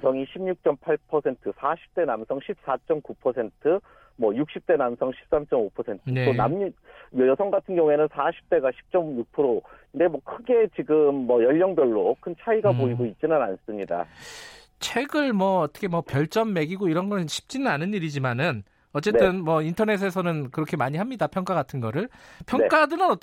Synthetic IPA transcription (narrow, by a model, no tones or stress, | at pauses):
sʰʌŋiɕʰimɲuk̚t͡ɕ͈ʌmpʰaɭpʰʌsʰe̞ntʰɯsʰaɕʰi̥p̚t͈e̞namsʰʌŋɕʰip̚s͈at͡ɕ͈ʌmkupʰʌsʰe̞ntʰɯ | mwʌjuk̚ɕ͈ʰip̚t͈e̞namsʰʌŋɕʰi̥p̚s͈amt͡ɕ͈ʌmopʰʌsʰe̞ntʰɯneoamjjʌsʰʌŋɡatʰɯnɡjʌŋuenɯnsʰaɕʰi̥p̚t͈e̞ɡaɕʰi̥p̚t͡ɕ͈ʌmjuk̚pʰɯɾoinde̞mwʌkʰɯɡe̞t͡ɕiɡɯmːʌjʌʎːʌŋbjʌɭːokʰɯnt͡ɕʰaiɡapoiɡoit̚t͡ɕ͈inɯna̰ns͈ɯmɲida̰ | t͡ɕʰe̞ɡɯɭmwʌːt͈ʰʌkʰemwʌpjʌɭt͡ɕ͈ʌmːe̞ɡiɡoiɾʌnɡʌɕʰi̥p̚t͡ɕ͈inɯnanɯniɾid͡ʑimanɯn | ʌt͡ɕ͈e̞t͈ɯnmwʌintʰʌne̞s̬ʰe̞sʰʌnɯnkɯɾʌkʰe̞maɲiɦamɲidapʰjʌŋk͈aɡatʰɯnɡʌɾɯɭpʰjʌŋk͈adɯnɯnʌ